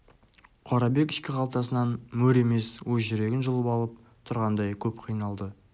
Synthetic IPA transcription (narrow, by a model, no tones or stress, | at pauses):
qʰoɾɑbe̞kɪ̥ʃkʲɪqʰɑlˠt̪ɑsənɑnmɵɾe̞me̞swɵzʒɪɾe̞ɡʲɪnʒəlˠəpɑlˠəp̚ | t̪ʰʊɾʁɑnd̪ɑjkʲʰɵpqʰijnɑlˠd̪ə